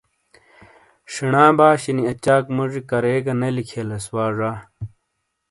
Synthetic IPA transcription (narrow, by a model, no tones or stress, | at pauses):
ʂiɳaːbaːɕiniɐt͡ɕaːkmuʐikɐɾeːɡɐnɐlikʰelɐswaːʐaː